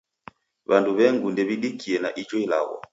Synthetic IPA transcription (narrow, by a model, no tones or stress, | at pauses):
βanduβɛŋɡundɛβiɗikiɛnaʔit͡ʃɔila̰ɣɔ̰